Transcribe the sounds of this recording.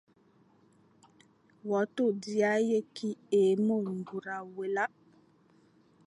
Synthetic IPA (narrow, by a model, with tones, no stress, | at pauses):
wɔ˨˦to˦˨di˨a˦je˦ki˦e˨mo˦˨ŋ˨ɡu˨ɾa˨we˨la˦